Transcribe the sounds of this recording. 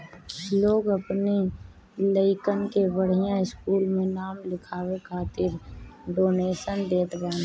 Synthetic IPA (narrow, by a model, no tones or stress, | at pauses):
loːɡəpni | ləɪkənkebəɽ̤ijãɪskuːlmẽnaːmlɪkʰaːwekʰaːt̪ɪɾɖoːneːʃənd̪eːt̪ɡɛ̃ːn